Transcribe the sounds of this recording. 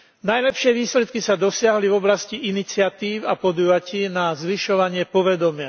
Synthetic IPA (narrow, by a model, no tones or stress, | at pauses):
najlɛpʃɪɛʋiːslɛt̪kisad̪ɔsɪaɦlivɔblasciʔinit͡sɪat̪iːwapɔd̪ujaciːnazʋiʃɔʋaɲɪɛpɔʋɛd̪ɔmɪa